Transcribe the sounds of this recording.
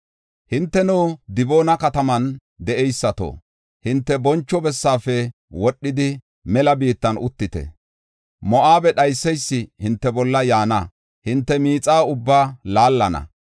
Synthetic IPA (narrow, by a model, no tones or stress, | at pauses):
hɪnt̪ːɛnɔːd̪ɪbo̞ːnɐkɐt̪ɐmɐn | d̪ɛʔɛjsːɐt̪o̰ː | hɪnt̪ːɛbɔnt͡ʃːɔbɛsːaːfɛ | wɔɗːɪd̪ɪ | mɛlɐbiːt̪ːɐnʊ̰t̪ːɪt̪ɛ̰ | mɔʔaːbɛɗɐjsːɛjsːɪhɪnt̪ːɛbɔlːɐjaːnɐ | hɪnt̪ːɛmiːt͡sʼaːʊbːaːlaːlːɐnɐ̰